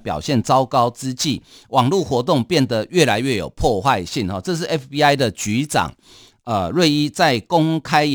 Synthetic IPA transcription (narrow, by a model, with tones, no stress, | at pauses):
pjɑ̰˨˩ʊɕjɛ˥˨nt͡sɑ˦ʊkɑ˥ʊt͡sɹ̩˦t͡ɕi˥˨wɑ˨˩ŋlu˥˩xwɔ˧˥t̪o˥˨ŋpjɛ˥˨˩nd̪ə˨˦ɥɛ˥˩la˧˦ɪɥɛ˥˩jo˨˩ʊpʰwɔ˥˧xwa˥˧ɪɕi˥˨ŋhɔ˨˩t͡sɤ˥˧ʂ̬ɻ̩˥˩ɛ˦˥fpi˥a˥ɪd̪ə˨t͡ɕy˧˦t͡sɑ̰˨˩ŋ | ə˩ɻwe˥˨ɪi˦t͡sa˥˨ɪko˦ŋkʰa˦ɪ